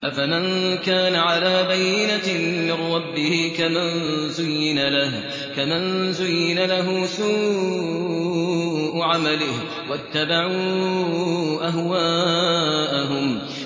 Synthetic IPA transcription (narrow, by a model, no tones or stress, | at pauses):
ʔafamɪnkaːnaʕalaːbajːɪnamɪɾˤːɑbːɪhɪkamanzʊjːɪnalah | kamanzʊjːɪnalaɦʊːsuː | ʔʕamalɪh | wat̪ːabaʕu | ʔaɦwaː | ʔaɦʊm